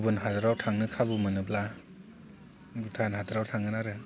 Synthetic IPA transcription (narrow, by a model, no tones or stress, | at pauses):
bɯnɦadɯɾawtʰaŋnɯkʰabɯmɯnɯbla | ɡutʰanɦadɯɾawtʰaŋɡɯnaɾɯ